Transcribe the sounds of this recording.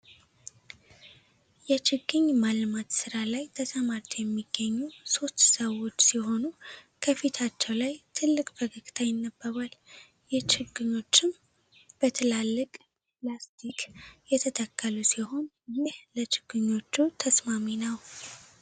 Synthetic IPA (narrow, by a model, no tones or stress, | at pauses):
jɛt͡ʃɪɡːɨɲːmalmat̪sɨɾalajt̪ʰəsʰəmaɾt̪ʰjɛmːiɡːəɲːuso̞st̪səwːo̞t͡ʃːsiɦo̞nukʰəfit̪ʰat͡ʃːɛwlajt̪ʰɨlːɨkʼbəɡɨɡʼt̪ʰajɪnːəbːəβal | jɛt͡ʃɪɡɨɲːo̞t͡ʃːɪm | b̥ət̪ʰəlalːɨkʼ | plast̪ʰikjɛt̪ʰət̪ʰəkːəlusiho̞n | jɪhlət͡ʃɪɡɨɲːo̞t͡ʃːut̪ʰəsmaminəw